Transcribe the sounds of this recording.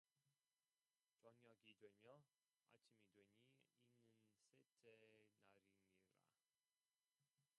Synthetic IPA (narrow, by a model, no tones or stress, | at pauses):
t͡ɕʌŋjʌɡidweɲjʌ | a̰tʰimidweɲiinːɯnsetʰenaɾiniɾa̰